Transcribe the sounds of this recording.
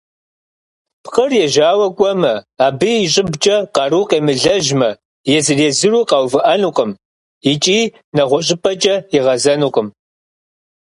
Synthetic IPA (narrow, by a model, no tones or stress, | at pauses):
pʰqɐrjɛʒaːwɐkʷʼɔmɐaːbiiɕʼɪbt͡ʃʼɐqɑruqeːmɨɮɐʒmɐ | jɛzɨrezɨruːqɑːwvɨʔɐnuːqʼəm | it͡ʃʼiː | nɐʁʷɔɕʼɪpʼɐt͡ʃʼɐɪʁɐzɐnuːqʼəm